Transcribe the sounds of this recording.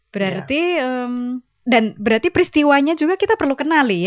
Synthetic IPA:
b̥əɾart̪iəm | danbəɾart̪ipəɾist̪iwaɲad͡ʒuɡakit̪apərlukənalij

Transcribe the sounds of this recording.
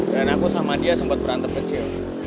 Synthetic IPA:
bɾanakusamadiasəmpat̪̚bəɾant̪ərbət͡ʃil

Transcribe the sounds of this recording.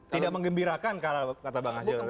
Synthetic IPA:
t̪idak̚məŋɡəmbiɾakankaɾakat̪abaŋasɪ

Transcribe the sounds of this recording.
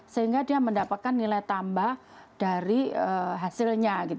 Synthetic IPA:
səɦiŋɡadiaməndapat̪̚kanːilajt̪ambah | d̥aɾiəɦasɪlɲaɡit̪

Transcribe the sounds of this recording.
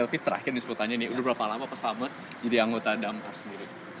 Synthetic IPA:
ɛlpit̪əɾa̰kɪrdisəput̪aɲanɪudahbəɾapalamapasamat̪̚ | d͡ʒadiaŋɡot̪adamkarsəndiɾi

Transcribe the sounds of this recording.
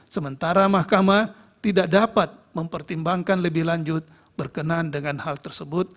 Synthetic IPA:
səmənt̪aɾamahkama | t̪idaʔdapat̪̚məmpərt̪imbaŋkanləbɪhlaɲd͡ʒʊt̪̚ | b̥ərkənandəŋanhalt̪ərsəbʊt̪̚

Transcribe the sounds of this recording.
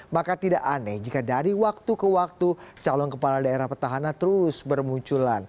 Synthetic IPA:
makat̪idaʔanɛd͡ʒikadaɾiwak̚t̪ukəwak̚t̪ut͡ʃalɔnkəpaladaeɾahpərt̪aɦanant̪əɾusbərmuɲt͡ʃulan

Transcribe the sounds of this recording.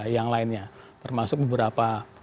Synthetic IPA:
jaŋlaɪnɲa | t̪ərmasʊk̚bəbəɾapa

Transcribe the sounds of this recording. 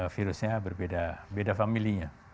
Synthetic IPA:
fiɾusɲabərbedabedafamiliɲa

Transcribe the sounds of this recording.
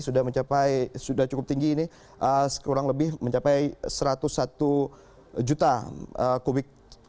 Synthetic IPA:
sudahməɲt͡ʃapajsudaht͡ʃukʊp̚t̪iŋɡiːnɪ | ʔəsə̥kuɾaŋləbɪhməɲt͡ʃapajsəɾat̪ʊsːat̪u | d͡ʒut̪aəkubɪk̚

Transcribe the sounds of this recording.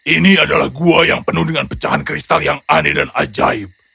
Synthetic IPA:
ʔiniadala̰hɡuajaŋpənuhdəŋanpə̥t͡ʃaɦankɾist̪aljaŋanɛdana̰d͡ʒa̰ip̚

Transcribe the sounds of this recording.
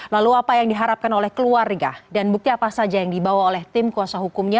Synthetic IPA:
laluapajaŋdiɦaɾap̚kanolɛhkəluarɡadanbuk̚t̪iapasad͡ʒajaŋdibawaolɛht̪ɪmkuasaɦukumɲa

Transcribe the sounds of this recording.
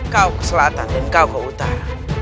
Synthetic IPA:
kakslatanden̩kakɔutaa

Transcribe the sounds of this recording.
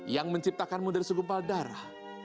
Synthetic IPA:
jaŋməɲt͡ʃip̚t̪akanmudɛrsəɡumpaldaɾa̰h

